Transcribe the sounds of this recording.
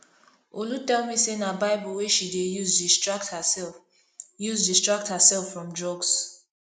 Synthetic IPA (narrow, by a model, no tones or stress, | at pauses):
olutɛlˠmisenabaɪbɔlweʃideuzdistɹakthəɛl | juzdistɹ̥ak̚thəsɛlfɹɔ̃mdɹɔɡs